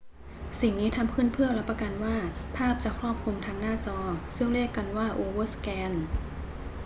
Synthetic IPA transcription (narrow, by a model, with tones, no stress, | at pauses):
si˨˩ŋniː˦˥t̪ʰa˧mpʰɯː˥˩˨npʰɯ˥˩ɐla˦˥pːa˧ka˧nwaː˥˩pʰaː˥˩p̚t͡ɕaː˨˩kʰɾɔː˥˩p̚kʰu˧mt̪ʰaː˧˥ŋnaː˥˩t͡ɕɔː˧sɯ˥˩ŋɾe˥˩kːa˧nwaː˥˩ʔoː˧wɤː˥˩skɛː˧n